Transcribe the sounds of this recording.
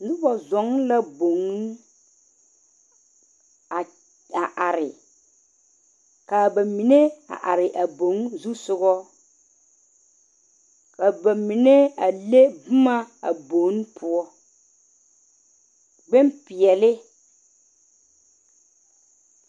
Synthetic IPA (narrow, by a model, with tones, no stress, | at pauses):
nʊ˦bɔ˨zɔ˨˦ŋ˦la˦bo˨ŋ˦ | a˨ | a˨ʔa˨ɾɪ˨ | ka˨ba˨mi˨ne˦a̰˨ʔa˨ɾɪ˨ʔa˨bo˨ŋ˦zu˦sʊ˦ɣɔ˦ | ka˨ba˨mi˨ne˦a˨le˦bʊ˦ma˦a̰˨bo˨˦n˦pʰʊ˦ɔ˦ | ɡ͡bɛ˦mpɪ˨ɛ˨lɪ˦